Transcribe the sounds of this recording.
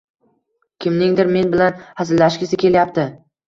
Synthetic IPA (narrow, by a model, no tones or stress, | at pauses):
kʲʰɪmnɪŋd̪ɪɾme̞nbɪlanhazɪlːaʃkʲɪsɪkʲʰe̞ljap̚t̪ɪ